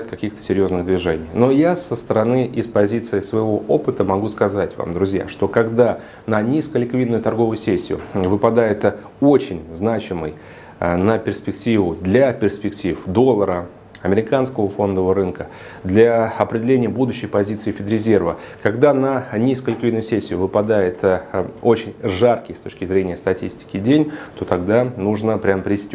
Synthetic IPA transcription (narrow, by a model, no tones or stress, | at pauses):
t̪kɐkʲixt̪ə̥sʲɪɾʲjo̞znɨɣd̪vʲɪʐɛnʲɪjno̞jasəst̪əɾɐnɨʔɪspɐzʲit̪sɨɪsvəɪvo̞ʔo̞pɨt̪əmɐɡuskɐzatʲva̰md̪ɾʊzʲja̰ʂt̪o̞kɐɡd̪a | nənʲiskəlʲɪkvʲid̪nːʊjʊt̪ɐrɡo̞vʊjʊsʲesʲːɪjʊ̰vɨpɐd̪ajɪt̪ | o̞t͡ɕɪnʲznat͡ɕɪməj | nəpʲɪrspʲɪk̚tʲivʊd̪lʲapʲɪrspʲɪktʲifd̪o̞lˠːəɾə | ɐmʲɪɾʲɪkanskəvəfo̞nd̪əvəɾɨnkə | d̪lʲaɐpɾʲɪdʲɪlʲenʲɪjəbud̪ʊɕːɪjpɐzʲit̪sɨɪfʲɪd̪ɾʲɪzʲe̞rvəkɐɡd̪anənʲiskəlʲɪkvʲid̪nʊjʊsʲesʲːɪjʊvɨpɐd̪ajɪt̪o̞t͡ɕɪnʲʐarkʲɪjst̪o̞t͡ɕʲkʲɪzɾʲenʲɪjəst̪ɐtʲisʲtʲɪ̥kʲɪdʲenʲt̪o̞t̪ɐɡd̪anuʐnəpɾʲampɾʲɪsʲtʲ